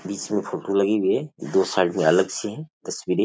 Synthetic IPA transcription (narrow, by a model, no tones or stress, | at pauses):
biːt͡ʃmẽpʰoʈũlɐɡiɦiɛd̪oːsaːʈmẽɐləɡt͡ʃʰiɦɛ̃t̪ɐswiːɾẽ